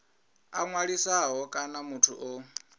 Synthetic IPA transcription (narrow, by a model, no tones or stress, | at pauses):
a̰ŋwaɺisaɦɔkʼanamutʰuʔo